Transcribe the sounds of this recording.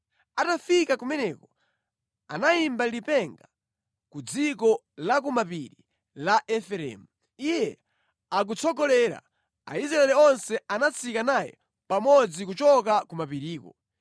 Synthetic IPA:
atafikakumɛnɛkɔ | anaimbadipɛŋɡa | kud͡zikɔ | lak̬umapiɾi | laʔɛfɛɾɛ̰ːmu | ijɛ | ak̬ut͡sʰɔɡɔlɛɾa̰ | a̰izɾaɛlɛɔnsɛanat͡sʰikanajɛ̰ | pamɔd͡zikut͡ʃɔkakumapiɾiːkɔ̰

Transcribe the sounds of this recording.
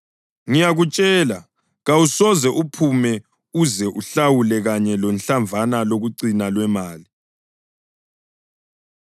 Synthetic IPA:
ŋijaɣut͡ʃʼɛːla | ɣawusɔzɛʔupʰumɛ | uzɛʔuɬawulɛɣaɲɛlɔnɬaɱvʱanaloɣuǀinalwɛmaːli

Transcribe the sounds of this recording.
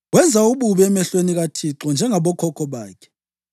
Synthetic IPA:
wɛnd͡zʱauɓuβɛɛmɛɬweniɣatʰiǁɔnd͡ʒʱɛŋaɓɔkʰɔkʰɔɓaːkʰɛ̥

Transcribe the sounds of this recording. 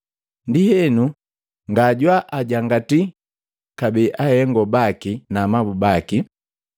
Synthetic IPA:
ndihɛnu | ŋɡaɟwaʔaɟaŋɡati | kabiʔahɛŋɡɔbakinamabubaki

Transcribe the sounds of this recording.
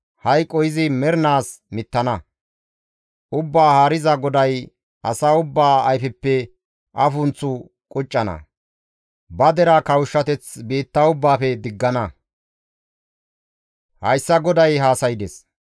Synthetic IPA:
hɐjkʼːɔjɪzɪmɛɾnaːsmɪt̪ːɐnɐ | ʊbːaːhaːɾɪzɐɡɔd̪ɐj | ʔɐsaːʊbːaːɐjfɛpːɛ | ʔɐfʊnt͡sːʊ | kʼʊt͡ʃʼːɐnɐ̰ | bɐd̪ɛɾakɐwʃːɐt̪ɛt͡sbiːt̪ːaʊbːaːfɛd̪ɪɡːɐnɐ | hɐjsːɐɡɔd̪ɐjɦaːsɐjɪd̪ɛs

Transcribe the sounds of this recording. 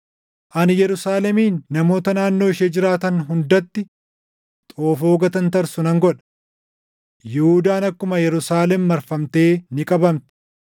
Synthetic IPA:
ʔɐnjɛɾʊsaːlɛmiːnːɐmo̞ːt̪ɐnaːnːo̞ːɪʃeːd͡ʒɪɾaːt̪ɐnɦʊnd̪ɐt̪ːɪ | t̪ʼo̞ːfoːɡɐt̪ɐnt̪ɐɾsʊnɐŋɡɔᶑɐ̥ | jɛhud̪aːnɐkːʊmɐjɛɾʊsaːlɛmːɐɾfɐmt̪e̞ːnɪkʼɐbɐmt̪ɪ̥

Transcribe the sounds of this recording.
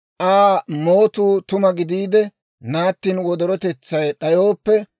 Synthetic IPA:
ʔaːmoːt̪uːt̪ʊmɐɡɪd̪iːd̪ɛ | naːt̪ːiːnwɔd̪ɔɾɔt̪ɛt͡sːɐjɗɐjoːpːɛ

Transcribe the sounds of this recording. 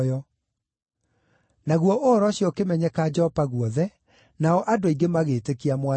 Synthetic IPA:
jɔ | naɣwɔʔoɾɔɕijɔkemɛɲɛkad͡ʒɛɔpaɣwɔðɛ | naɔʔadoiɡemaɣetekiamwa

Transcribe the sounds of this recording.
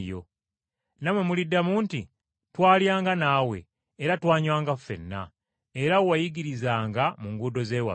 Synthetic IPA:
jo̰ | namwemulidːamuːnti | twaːljaːŋɡanaːwe̞̰ | eɾatwaːɲwaːŋɡafːe̞̰nːa̰ | eɾawajiɡiɾizaːŋɡamuŋɡudo̞zeːwa̰

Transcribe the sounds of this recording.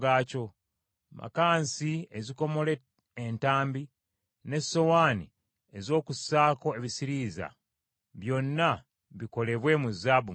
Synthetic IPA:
ɡaːco̞ | mʔa̰kaːnsieziko̞mo̞le̞ | entaːmbi | ne̞so̞waːni | e̞zo̞ːkusaːko̞e̞βisiɾiza̰ | βjo̞nːa | βiko̞le̞βwe̞muzabu

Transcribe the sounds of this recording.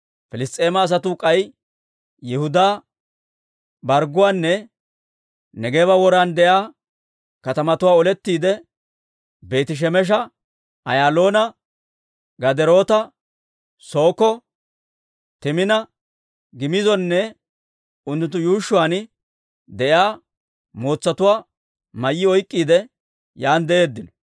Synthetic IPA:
fɪlɪst̪ʼːe̞ːmɐːs̬ɐt̪ʊkʼɐj | jɛhʊd̪aː | bɐɾɡʊwaːnːɛ | nɛɡeːβɐwɔɾaːnd̪ɛʔjaː | kɐt̪ɐmɐt̪ʊwaːɔlɛt̪ːiːd̪ɛ | be̞ːt̪ɪʃ̬ɛmɛʃ̬ɐ | ɐjaːlo̞ːnɐ | ɡɐd̪ɛɾo̞ːt̪ɐ | so̞ːkɔ | t̪ɪmɪnɐ | ɡɪmɪzɔnːɛ | ʊnt̪ːʊnt̪ːʊjuːʃːʊwaːn | d̪ɛjaː | mo̞ːt͡sːɐt̪ʊwaː | mɐjːɪɔjkʼːiːd̪ɛ | jaːnd̪ɛe̞ːd̪ːɪnɔ̥

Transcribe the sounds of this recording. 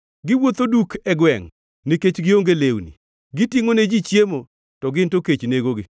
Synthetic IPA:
ɡɪwot̪odukʰɛɡwɛŋ | niket͡ʃɡɪoŋɡelewnḭ | ɡɪtiŋoned͡ʒit͡ʃjemo | tɔɡɪntoket͡ʃneɡoɡɪ

